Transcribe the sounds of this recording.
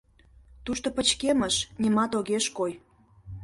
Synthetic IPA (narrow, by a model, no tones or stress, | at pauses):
t̪uʃt̪opə̆t͡ɕkeməʃnʲimɑt̪oɣeʃkoj